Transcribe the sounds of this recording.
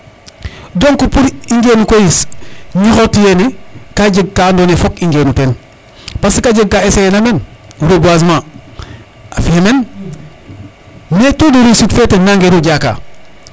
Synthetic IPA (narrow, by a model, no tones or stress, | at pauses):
doŋkupuɾiŋɡeːnukojisɲixotijenikaɟəɡ̚kandonefokiŋɡeːnuten | pasikaɟəɡ̚kːaeseenamenuɾobuas̬ma | afiemen | netoduɾisitfetenaŋɡeɾuɟaka̰